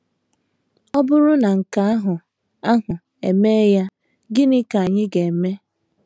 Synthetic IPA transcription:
ɔ˦bʊ˦ɾʊ˦na˨ŋ̩˨ka˨˦a˦ɦʊ˨ | a˦ɦʊ˨ | e˨me˦ja˦ | ɡɪ˦nɪ˦ka˨a˨ɲɪ˦ɡe˨e˨me˦

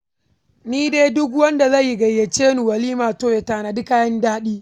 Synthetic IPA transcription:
niː˦deː˦dʊ˦k̬wɐ˦nda˨zɐ˦˨jːi˦ɡɐ˨jːe˨t͡ʃeː˦nu˨wɐ˨liː˦maː˨toː˦je˨taː˨na˨dɪ˦kaː˦jɐ˦ndaː˦ɗiː˦

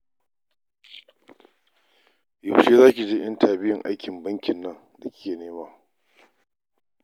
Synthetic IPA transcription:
ja˨wʃeː˦zaː˦kʲi˨d͡ʒe˦ʔɐ˦ntʰaː˨bɪ˦jɪ˨ŋʔa˦jkʲɪ˨mbɐ˦ŋkʲɪ˨nːɐ˦ŋ | da˨kʲɪ̥˦kʲeː˨neː˦maː˦

